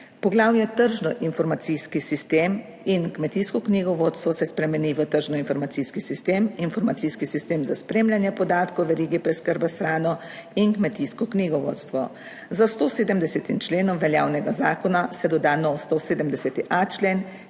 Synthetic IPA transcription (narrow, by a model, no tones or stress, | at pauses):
pɔɡlaːwnjɛt̪əɾʒnɔʔinfɔɾmat̪siskisist̪eːm | inkmɛt̪iːskɔkniɡɔʋoːt̪st̪ʋɔsɛspɾɛmɛniːʋət̪əɾʒnɔinfɔɾmat̪siskisist̪eːminfɔɾmat̪siːskisist̪eːmzaspɾeːmlʲjanjɛpɔd̪aːt̪kɔwʋɛɾiːɡipɾɛskəɾbasxɾaːnɔ | inkmɛt̪iːskɔkniɡɔʋo̰ːt̪st̪ʋɔ̰ | zast̪oseːd̪əmd̪ɛsɛt̪int͡ʃleːnɔmʋɛljaːwnɛɡazaːkɔnasɛd̪ɔd̪aːnɔwst̪oseːd̪əmd̪ɛsɛt̪iʔat͡ʃleːn